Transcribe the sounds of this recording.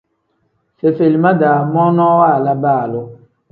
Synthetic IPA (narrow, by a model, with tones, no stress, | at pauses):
se˨fe˨li˨ma˦daː˨mɔ˦nɔ˦waː˦˨la˦baː˦˨lʊ˦